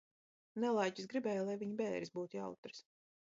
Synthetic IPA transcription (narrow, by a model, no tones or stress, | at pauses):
nɛlˠajcisɡɾibɛːjlˠajviɲbɛːɾʲisbuːt̪ja̰wt̪ɾɨ̥s